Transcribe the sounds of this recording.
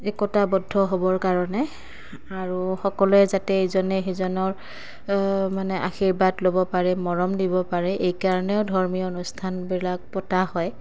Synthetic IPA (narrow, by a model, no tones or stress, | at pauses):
ɛkɔtabɔdʱːɔɦobɔɹkaɹɔnɛ | aɹuxɔkɔluɛzatɛezɔnɛxezɔnɔɹ | manɛʔa̰xiɹbatlobɔpaɹɛmɔɹɔmdibɔpaɹɛʔejkaɹɔnɛʊdʱɔɹmiɔonustʰanbilak̚pɔtahɔj